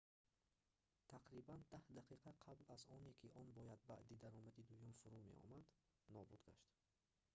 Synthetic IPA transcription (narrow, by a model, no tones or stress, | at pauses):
t̪ʰaqɾiband̪ahd̪aqiqʰaqʰablazɔnekʰiʔɔnbɔjad̪̚baʔd̪id̪aɾɔmad̪id̪ujumfuɾume̞̰ʔɔ̰mad̪ | nɔbud̪ɡa̰ʃt̪